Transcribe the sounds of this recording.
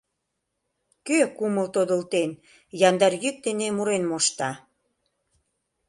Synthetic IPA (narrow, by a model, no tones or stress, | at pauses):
køkuməlt̪od̪ə̆lt̪en | jɑnd̪ɑrjyk̚t̪enemuɾenmoʃt̪ɑ